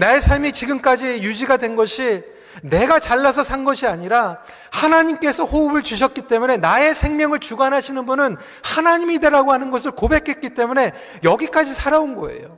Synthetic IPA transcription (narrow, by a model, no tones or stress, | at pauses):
nae̞sʰaɭmit͡ɕiɡɯmk͈ad͡ʑijud͡ʑiɡadwe̞nɡʌɕʰi | ne̞ɡat͡ɕaɭːas̬ʰʌsʰanɡʌɕʰiaɲiɾa | hanaɲimk͈e̞sʰʌɸoɯbɯɭt͡ɕuɕ̬ʰʌt̚k͈it͈e̞mune̞nae̞sʰe̞ŋmjʌŋɯɭt͡ɕuɡanɦaɕʰinɯnbunɯn | hanaɲimideɾaɡoɦanɯnɡʌs̬ʰɯɭkobe̞kʰe̞t̚k͈it͈e̞mune̞ | jʌɡik͈ad͡ʑisʰaɾaonɡʌe̞̰jo